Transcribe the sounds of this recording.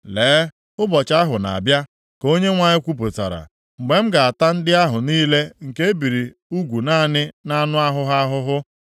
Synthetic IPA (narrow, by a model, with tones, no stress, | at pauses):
leː˨˦ | ʊ˦bɔ˨t͡ʃa˦ɦʊ˨na̰˨bja˦ | ko˦ɲe˦ŋʷa˨ɲɪ˦kʷu˦p̬o˨ta̰˨ɾa̰˨ | ŋ͡m̩˨ɡ͡be˨m̩˦ɡa˨a˨ta˦n̩˦dɪ˦a˦ɦʊ˨niː˦le˦ŋ̩˨ke˦e˦bi˨ɾi˨ | u˦ɡʷu˨na˦˨nɪ˦na˦nʊ˦a˦ɦʊ˦ɦa˦ɦʊ˦ɦʊ˦